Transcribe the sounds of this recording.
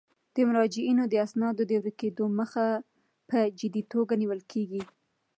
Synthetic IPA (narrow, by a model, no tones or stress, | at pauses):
d̪̥əmʊɾɑd͡ʒɪinod̪əasnɑd̪od̪əwɾiked̪oməxa | pəd͡ʒɪd̪it̪oɡaniwəlkʰeɡi